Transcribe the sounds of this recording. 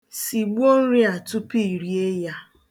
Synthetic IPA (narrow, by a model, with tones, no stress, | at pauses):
si˨ɡ͡bo˦n̩˦ɾi˦a˨tʊ˦pi˦˨ɾi˨e˦ja˦